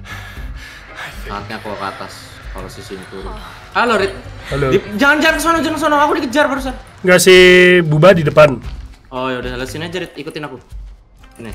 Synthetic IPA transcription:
sa̰ŋat̪̚ɲakuloka̰t̪a̰s | ka̰losisint̪uɾ̰ | aloɾɪt̪̚alodid͡ʒaŋand͡ʒaŋankəsɔnɔd͡ʒəŋəs̬ɔnɔŋakudikəd͡ʒarbaɾus̬a | ŋɡasihbubadidəpanojadɛlasinad͡ʒəɾɪt̪̚ikut̪ɪnaku | na

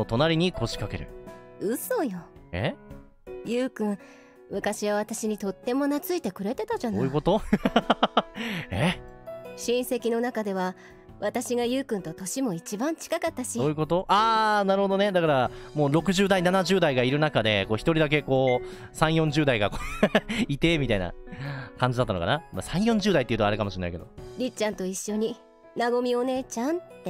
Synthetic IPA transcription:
ot̪o̞naɾʲiɲ̟iko̞ɕi̥kake̞ɾɯ̟̰ | ɯ̟so̞joḛ | jɯːkɯ̟̃ɰ̃ | mɯ̟kaɕiβaβ̞at̪aɕiɲ̟it̪o̞t̪ːe̞mo̞nat͡sɨit̪e̞kɯ̟ɾe̞t̪e̞t̪aʑanoːjɯko̞t̪o̞ | e | ɕĩɰ̃se̞kʲino̞nakad̪e̞βa | βat̪aɕiɡajɯ̟ːkɯ̟̃nt̪o̞t̪o̞ɕimo̞it͡ɕibãɲ̟t͡ɕi̥kakat̪ːaɕioːjɯ̟ko̞t̪o̞ʔaːnaɾɯ̟ho̞d̪o̞ne̞d̪akaɾamo̞ːɾo̞kɯ̟ʑɨːd̪ainanaʑɨːd̪aiɡaiɾɯ̟nakad̪e̞ko̞ːçi̥t̪o̞ɾʲid̪ak̬e̞ko̞ː | sãɰ̃jõ̞ɲ̟d͡ʑɨːd̪aiɡakoit̪e̞ːmʲit̪aina̰kãɲ̟d͡ʑid̪at̪ːanoka̰namasãɰ̃jõ̞ɲ̟d͡ʑɨːd̪ait̪eiɯ̟t̪oaɾe̟kamoɕiɾena̰ike̞d̪o̞ɾʲit͡ɕãnt̪o̞iɕːo̞ɲ̟i | naɡo̞mʲio̞ne̞ːt͡ɕãntt̪ːe

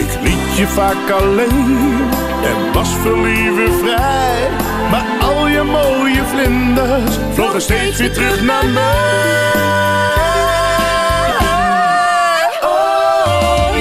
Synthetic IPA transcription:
ɪklitjəvaːkɑlejn | ɛ̰nʋɑsfəlivəvrɛ | maːɹɑlˠjəmowjəvlɪndə | flɔχəstejtsʋɪːtrɵχnamɛ

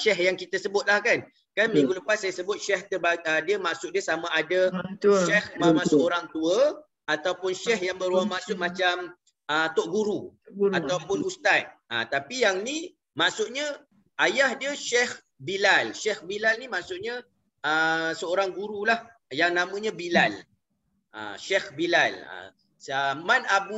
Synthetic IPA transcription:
ʃɛhjaŋkit̪əsəbʊt̪̚lahkan | kanmĩŋɡuləpassajasəbʊt̪̚ʃɛht̪əbaədiəmaʔsʊʔ̚diəsamãʔadəət̪ʃɛhmamasəoɾaŋt̪uə | at̪awpʊnʃɛhjaŋbəɾuamaʔsʊʔ̚mat͡ʃam | ət̪oʔ̚ɡuɾuat̪awpʊnust̪at̪̚ə̰t̪apijaŋni | maʔsʊʔɲə | ajahdiəʃɛh | bilalʃɛhbilalnimaʔsʊʔ̚ɲa | əsəoɾaŋɡuɾulah | jaŋnamə̃ɲabilal | ʔa̰ʃɛhbilalə̰ | əmanabu

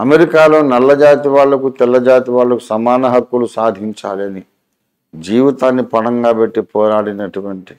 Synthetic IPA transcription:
ɐmeɾikaːlo̞ːnɐlːɐd͡ʒaːt̪iʋaːlːɐkut̪ɛlːɐd͡ʒaːt̪iʋaːlːɐkusɐmaːnɐɦɐkːulusaːd̪ʱiɲt͡ʃa̰ːliɐni | d͡ʒiːʋit̪aːnːipɐnɐŋɡaːbeʈːipɔːɾaːɽinɐʈuʋɐɳʈi̥

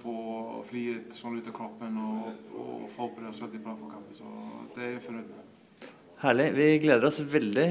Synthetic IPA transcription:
foːfliːɛt̪sɔnʉːt̪ːɑkʰɾɔpːənɔɔ̰fɔbɾeːd̪sɛlt̪ːɪp̪ʰɑfɔkʰɑmpənsɔ̰d̪̥ɛæɾfɔɾnœd̪nɪŋ | hæːɭɪʋɪɡleːd̪əɾɔsʋɛld̪ɪ

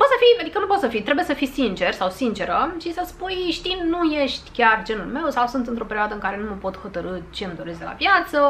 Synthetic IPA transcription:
pot̪səfiad̪ikənupot̪səfit̪ɾe̞bujesəfisint͡ʃe̞rsawsint͡ʃe̞ɾəʃisəspujʃt̪innujeʃt̪ʲkʲard͡ʒe̞nulme̞wsawsunt̪ɨnt̪ɾo̞pe̞ɾʲioad̪əɨŋkaɾe̞numəpo̞t̪ho̞t̪əɾɨt͡ʃemd̪oɾesd̪ela̰vjat̪sə

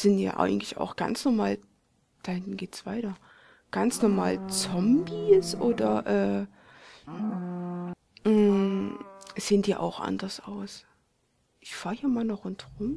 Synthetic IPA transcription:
z̥ɪntja̰ːʔa̰ɪɡŋ̩tlɪça̰ʊxɡ̥a̰nsnɔɐmaːl | d̥aːhɪndn̩ɡeːtsv̥aɪtɐ | ɡ̥ant͡snɔɐma̰ːlt͡sɔmbisʔoːdɐʔɛː | m̩ | z̥eɪːndiːʔa̰ʊxʔa̰ndɐsʔa̰ʊs | ʔɪçfaːɐhiːɐmaːlnɔχʊntʁʊm

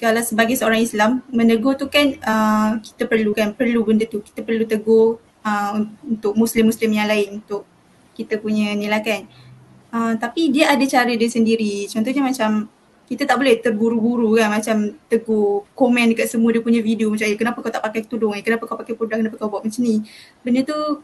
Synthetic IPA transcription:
kalawsəbaɡajsəoɾaŋislamːə̃nəɡot̪ukanʔəki̥t̪apərlukanpərlubəndət̪uki̥t̪apərlut̪əɡo | əuunt̪ʊk̚muslɪmːuslɪmjaŋlaɪnunt̪ʊʔ | kit̪apuɲənilakan | əmt̪apidiaadat͡ʃaɾədiəsəndiɾit͡ʃɔnt̪ɔhɲamat͡ʃam | kit̪at̪aʔ̚bolɛht̪ərbuɾubuɾukanmat͡ʃamt̪əɡokomɛ̃ndəkat̪̚səmuadiəpuɲavidiomat͡ʃaŋjəkənapakawt̪aʔpakajkt̪udʊŋakənapakawpakajpɾudaŋkənapakawbuaʔ̚masəni | bəndət̪u

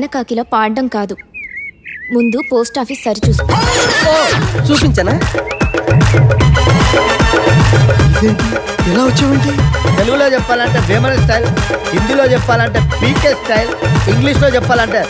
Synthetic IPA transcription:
nɐkaːkilɐpaːɾɖɐmkaːd̪u | mund̪upo̞ːsʈaːpʰisːɐɾit͡ʃuːst̪uːot͡ʃuːpiɲt͡ʃɐnaː | d̪eː | ilaːut͡ʃːɐʋɐɳʈit̪eluɡulo̞ːt͡ʃɛpːaːlɐɳʈeːʋeːmɐnɐs̬ʈʰɐjlɦind̪ilo̞ːt͡ʃɛpːaːlɐɳʈeːpiːkeːsʈʰɐjliŋɡliʂloːt͡ʃɛpːaːlɐɳʈaːɾu

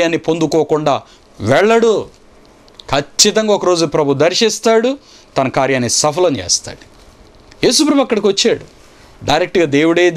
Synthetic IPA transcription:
jaːnːipond̪ukoːkuɳɖaː | ʋɛɭːɐɽu | kʰɐt͡ʃːit̪̬ɐŋɡaːɔkɐɾo̞ːd͡ʒupɾɐbʱud̪ɐɾʃist̪aːɽu | t̪ɐnɐkaːɾjaːnːisɐpʰɐlɐnt͡ʃḛːst̪a̰ːɽu̥ | jeːsupɾɐmɐkːɐɽɐk̬iʋɐt͡ʃːaːɽu | ɖɐjɾek̚ʈɡaːd̪eːwuɽɐjd̪

